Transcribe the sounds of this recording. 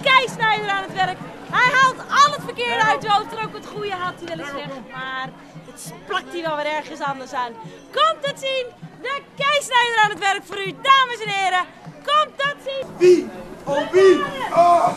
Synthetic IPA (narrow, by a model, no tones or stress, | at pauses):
kɛjsnɛjdəɾaːnətʋɛrkhɛjɦalˠtɔlˠətfərkɪəɹdəœɥtowtrokʋɔtχujəɦatəʋɪlˠəsɛxəmar | ətsplak̚tiʋɔlʋɪlˠɛrɣəsɑndərsaːn | kɔmtɔtsindəkɛjsnɛjdəɾaːnətʋɛrkfoːɾydaːməsɛnɪːɾə | kɔmtɔtsiʋioʋi